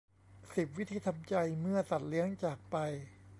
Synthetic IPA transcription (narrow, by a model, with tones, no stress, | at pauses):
si˨˩p̬̚wi˦˥t̪ʰiː˧t̪ʰa˧mt͡ɕa˧jmɯ˥˩ɐsa˨˩t̪̚li˦˥əŋt͡ɕaː˨˩k̚pa˧j